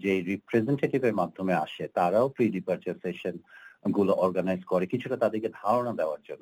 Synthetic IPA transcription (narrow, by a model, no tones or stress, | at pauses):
d͡ʑejɾipɾezeɳʈeʈibeɾmad̪ʱːomea̰ʃet̪aɾaopɾiɖipaɾt͡ɕaɾsʈeʃonɡuloʔɔɾɡanajzkɔɾekit͡ɕʰuʈat̪ad̪eɾked̪ʱaɾonad̪ɛoaɾd͡ʑonːo